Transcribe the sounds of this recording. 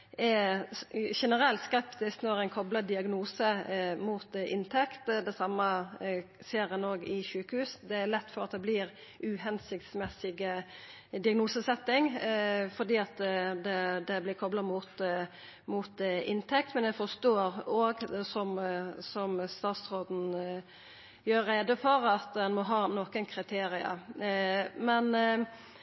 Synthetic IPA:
ɛ | ʃɛnəɾɛlt̪skɛpt̪ɪsknɔɾæɪnkʰɔblɑd̪ɪɑɡnuːsəmuːt̪ɪ̰nt̪ʰɛkt̪d̪ɛsɑmːə | seːɾɛnoːɡɪʃʉːkəhʉːsd̪ɛæɾlɛt̪ːfɔɾɑt̪̚d̪ɛblɪɾ | ʔʉhɛnsɪk̚t̪smɛsɪɡ | d̪ɪɑɡnuːsəsɛt̪ːɪŋfɔd̪iːɑt̪d̪ɛd̪ɛblɪɾkʰɔblɑmʊt̪ | mʊt̪ɪnt̪ʰɛk̚t̪mɛnjæfɔst̪oːɾoːɡsɔmsɔmst̪ɑːt̪sɾoːd̪n̩ | jøːɾːeːd̪əfɔɾɑt̪d̪ɛnmɔɦɑːnoːkənkʰɾɪt̪ʰeːɾɪə̰ | mɛn

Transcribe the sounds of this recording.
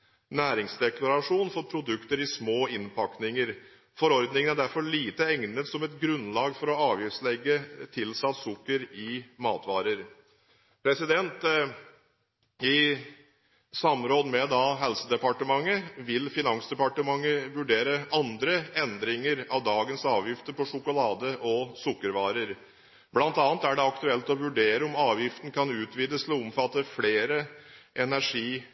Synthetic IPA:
næːɾɪŋsd̪ɛklɑɾɑʂuːnfɔɾpʰɾʊd̪ʉkt̪əɾɪsmoːɪnpʰɑknɪŋəɾ | fɔɾɔɾd̪nɪŋənæɖæɾfɔɭiːt̪əɛŋnət̪sɔmɛt̪ɡɾʉnlɑːɡfɔɾɔɑːʋjɪft̪slɛɡːət̪ʰɪlsɑt̪sʊkːəɾɪmɑːt̪ʋɑːɾəɾ | pʰɾɛsɪd̪ɛnt̪ | ɪ | sɑmɾoːd̪mɛd̪ɑɦɛlsəd̪ɛpɑʈəmɑŋːəʋɪlfɪnɑŋsd̪ɛpɑʈəmɑŋːəʋʉɖeːɾəʔɑnd̪ɾəɛnd̪ɾɪŋəɾɑʋd̪ɑːɡənsɑːʋjɪft̪əɾpɔʂʊkʊlɑːd̪əʔɔsʊkːəɾʋɑːɾəɾ | blɑnt̪ɑːnt̪æɖɛɑkt̪ʉɛlt̪ɔʋʉɖeːɾəʊmɑːʋjɪft̪ən̩kʰɑnʉːt̪ʰʋiːd̪əslɔʊmfɑt̪ːəfleːɾəʔɛnæʂiː

